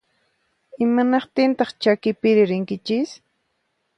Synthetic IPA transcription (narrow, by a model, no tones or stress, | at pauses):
ɪmanɑqt̪ɪnt̪ɑχt͡ʃakɪpɪɾɪɾɪŋkɪt͡ʃɪs